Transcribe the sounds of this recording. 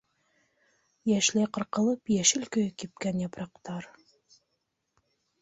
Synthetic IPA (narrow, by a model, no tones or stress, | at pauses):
jæʃlæjqɤ̆ɾqɤ̆lˠɤpjæʃɘ̆lkɵkip̚kænjɑpɾɑqt̪ɑɾ